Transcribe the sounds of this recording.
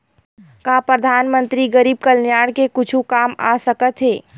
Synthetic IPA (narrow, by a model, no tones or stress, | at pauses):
kapɾəd̪ʱaːnmə̃nt̪ɾiɡəɾiːb̚kəlnjaːɽkekʊt͡ʃʰũkaːma̰səkət̪ɦeː